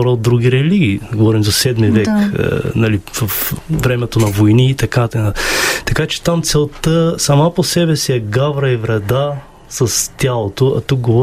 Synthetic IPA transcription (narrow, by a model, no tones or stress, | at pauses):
ɔɾəot̪ːɾuɡiɾɛliɡʲiːɡovɔɾimzɐsɛd̪mivɛkə̰nɐlivɐfvɾɛmɛt̪onɐvojniːt̪ɐkat̪ɐt̪ɐkat͡ʃɛ̥t̪amt̪sɛlˠt̪əsɐmaposɛbɛsiɛɡavɾɐivɾɛd̪a | sɐst̪ʲjalˠot̪oɐ̰t̪uk̚ɡovɔ